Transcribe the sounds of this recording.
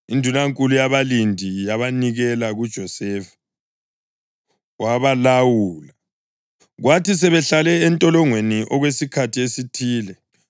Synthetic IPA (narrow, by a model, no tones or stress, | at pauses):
indʱunaŋkʼulujaβalindʱijaβaniɣɛlaɣud̥ʒ̥ʱɔsɛvḁ | waβalawuːla | ɣwatʰis̬ɛβɛɬalɛːntʼɔlɔŋweniʔɔɣwesikʰatʰiesitʰiːlɛ